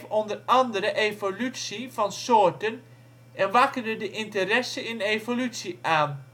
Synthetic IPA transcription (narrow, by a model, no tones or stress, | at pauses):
fɔndərɑndəɾəʔejvolytsivɑnsoːɹtən | ɛnʋɑkərdədəʔɪntərɛsənɪnejvolytsiʔaːn